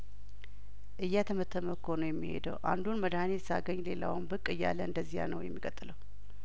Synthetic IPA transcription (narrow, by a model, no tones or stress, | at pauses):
ʔɨjːat̪ʰəmət̪ʰːəməkʰonojɛmːihḛd̪əwʔa̰nd̪unməd̪ahnesa̰ɡəɲːle̞la̰wmbɨkʼːɨjːa̰lːəɨnd̪əzːiha̰nə̰wjɛ̰mːikʼət̪ʼɨləw